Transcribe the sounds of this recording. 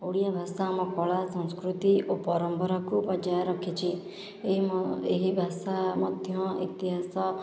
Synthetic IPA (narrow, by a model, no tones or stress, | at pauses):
oɽijabʱasamɔ̃kɔɭasɔ̃nskɾut̪iʔopɔɾɔmpɔɾɔkupɔd͡ʒajɾɔkʰit͡ʃʰi | eɦibʱasamɔd̪ʱjɔ̃ḭt̪iɦasɔ